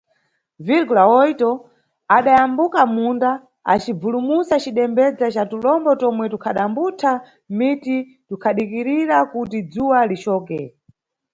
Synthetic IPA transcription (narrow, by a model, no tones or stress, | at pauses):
viɾkulaɔjtɔ | aɗajambukamunda | a̰t͡ʃib͡vulumusat͡ʃiɗɛmbɛd͡zat͡ʃatulɔmbɔtɔmwɛtukʰaɗambutʰa | miti | tukʰaɗikiɾiɾakutid͡zuwalit͡ʃɔːkɛ